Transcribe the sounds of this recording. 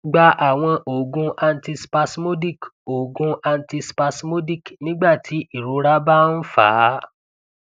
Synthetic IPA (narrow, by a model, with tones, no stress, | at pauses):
ɡ͡ba˧ʔa˨w̃ɔ̃˧ʔo˨ɡũ˧a˧n̩˦ti˧spa˧smo˦di˦˨ko˨ɡũ˧a˧n˦ti˧spa˧smo˦di˦˨knĩ˦ɡ͡ba˦˨tʰi˨˦ʔi˦˨ɾo˨˦ɾa˦ba˦n̩˦fa̰ː˨˦